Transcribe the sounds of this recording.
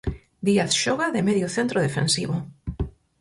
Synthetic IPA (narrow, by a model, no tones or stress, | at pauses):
d̪iaθʃɔɣaðɪmeðjʊθent̪ɾoðefḛnsiβʊ